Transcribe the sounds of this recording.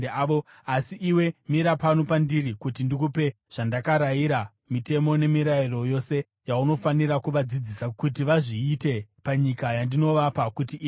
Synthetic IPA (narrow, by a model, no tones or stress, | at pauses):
o | asiʔiwe̞miɾapanopandirikutindikupe̞ | ʐ̥andakaɾaiɾa | mite̞mo̞ne̞miɾairo̞jo̞se̞ | jauno̞faniɾakuʋad͡zid͡zisakutiʋaʐiːte̞paɲikajandino̞ʋapakutiː